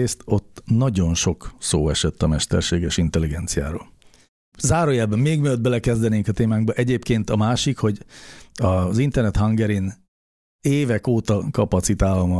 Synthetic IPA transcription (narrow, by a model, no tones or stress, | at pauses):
eːst̪o̞t̪ːnɒɟo̞nʃo̞kso̰ːɛʃɛt̪ːɒmɛʃt̪ɛ̰rʃeːɡɛʃint̪ɛliɡɛnt̪sija̰ːɾo̰ːl | zaːɾojaːbɒmːeːɡmiød̪̚bɛlɛkɛzd̪ɛneːŋkɒt̪eːmaːŋɡ̚bɒʔɛɟeːpkeːnt̪ɒmaːʃikho̞ɟɒzint̪ɛrnɛt̪hɒŋɡɛɾin | eːvɛkoːt̪ɒkɒpɒt̪sit̪aːlɒmɒ